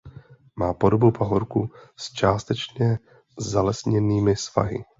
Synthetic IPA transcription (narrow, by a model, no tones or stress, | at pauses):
maːpo̞dobupaɦoɾkust͡ʃaːst̪ɛt͡ʃɲɛ | zalɛsɲɛniːmɪsva̰ɦɪ̰